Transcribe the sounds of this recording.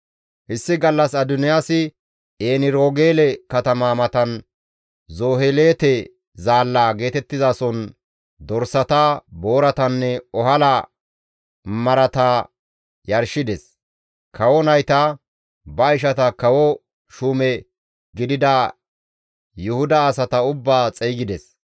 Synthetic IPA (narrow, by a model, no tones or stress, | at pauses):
hɪsːɪɡɐlːɐsɐd̪ʊnɪjaːsɪ | eːnɪɾoːɡe̞ːlɛkɐt̪ɐmamɐt̪ɐn | zoːhele̞ːt̪ɛ | zaːlːaːɡe̞ːt̪ɛt̪ːɪzasɔn | d̪ɔɾsɐt̪ɐbo̞ːɾɐt̪ɐnːɛɔɦɐla | mɐɾɐt̪ɐ | jɐɾʃɪd̪ɛs | kʰɐwɔnɐjt̪ɐ | bɐɪʃɐt̪ɐkɐwɔ | ʃumɛ | ɡɪd̪ɪd̪ɐ | jʊhʊd̪ɐːsɐt̪ɐʊbːaːt͡sʼɛjɡɪd̪ɛs